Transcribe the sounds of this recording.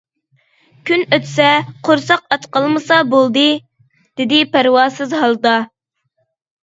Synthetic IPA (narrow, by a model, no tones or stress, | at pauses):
kʲʰynøt̪sɛqʰoɾsɑqɑt̪qəlˠmɨsɑbolˠd̪ɨ | d̪̥ɪd̪ɪpæɾwɑːsɨzɦɑlˠd̪ɑ